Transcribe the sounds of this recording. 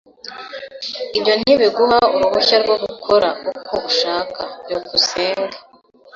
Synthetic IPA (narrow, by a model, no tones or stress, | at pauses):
iβjo̞n̥iβiɡuɦauɾuβuçaɾɡoɡukʰoɾaukʰouʃaːkajokuseːŋɡa